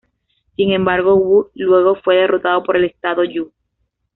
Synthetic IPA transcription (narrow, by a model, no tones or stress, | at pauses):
siŋẽ̞mbaɾɣ̞o̞ɣulwe̞ɣ̞o̞fwe̞ð̞e̞ro̞t̪aðopo̞ɾe̞le̞st̪aðo̞ʎu